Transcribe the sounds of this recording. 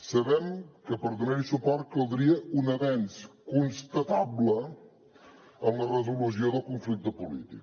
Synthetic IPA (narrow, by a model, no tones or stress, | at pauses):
səβɛmkəpəɾd̪uneɾisupɔɾt̪̚kəlˠd̪ɾiəunəβɛnskunst̪ət̪ablə | əmlərəzulusioðəlˠkuɱflik̚t̪əpulḭt̪ik